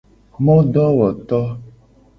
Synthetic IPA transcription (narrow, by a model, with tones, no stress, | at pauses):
mɔ̃˦ɖɔ˦wɔ˨t̪ɔ˦